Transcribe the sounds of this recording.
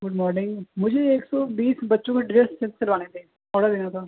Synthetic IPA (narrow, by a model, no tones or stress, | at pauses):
ɡʊɖmɔːɾnɪ̃ŋɡmʊd͡ʒʱeeːksɔːbiːsbɐtːʃõkaɖɪɾeːʈsːẽnsəɾʋaːnẽt̪ẽ | ɔːɽad̪eːnat̪ʰaː